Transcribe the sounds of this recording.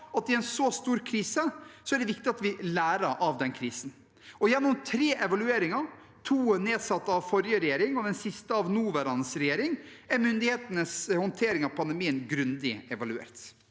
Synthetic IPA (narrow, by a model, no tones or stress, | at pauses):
ɑt̪ːɪɛnsɔst̪uːɾkʰɾiːsəsɔæɖɛʋɪk̚t̪ɪɑt̪ʋɪlæːɾəɾʔɑʋd̪ɛnkʰɾiːsn | ɔjɛnːʊmt̪ʰɾeːʔɛʋɑlʉeːɾɪŋɑɾ | t̪ʰuːəneːd̪sɑt̪ːəɑʋfɔɾjəɾɛjeːɾɪŋɔd̪ɛnsɪst̪əɑʋnuːʋɛɾɑnəsɾɛjeːɾɪŋ | æɾmʏnd̪ɪheːt̪ənəshɔnt̪ʰeːɾɪŋɑʋpʰɑnd̪ɛmiːənɡɾʉnd̪ɪɛʋɑlʉḛːɾt̪